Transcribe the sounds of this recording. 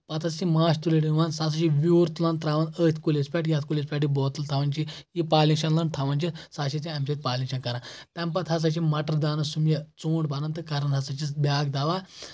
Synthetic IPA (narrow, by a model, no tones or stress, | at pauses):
pɐt̪ʰɐt͡simaːʃt̪uleɽinʋansas̬ɐʃiʋʲjuːɾt̪ulant̪ɾaːʋɐnəːt̪ʰʲkulʲespʲɛʈjat̪ʲkulʲes̬pʲaːʈibɔːt̪əlt̪ʰaʋɐnt͡ʃijipaːlĩŋʃɐnlɐnʈ̪ʰaʋɐnt͡ʃisaːʃit͡sĩɐmset̪̚ʲpaːlʲĩŋʃɐnkɐɾãt̪ɐ̃mp̬ɐt̪ʰɐs̬ɐt͡ʃimɐʈəɾd̪aːnɐsumjɐt͡suːɳɖbɐɾɐnt̪ɨkɐɾɐnɦɐsɐt͡ʃibʲaːɡd̪aːʋa